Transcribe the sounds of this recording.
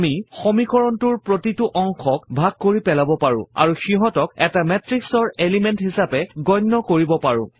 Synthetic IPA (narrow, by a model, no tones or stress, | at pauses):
mixomikɔɹɔntuɹpɹotituʔɔŋxʰɔkbʱaɡ̚koɹipɛlabɔpaɹʊ̰̃a̰ɹuxiɦɔtɔk̚ɛtamɛtɹiksɔɹelimɛntɦisapɛɡɔjnːɔkoɹibɔpaɹʊ̰̃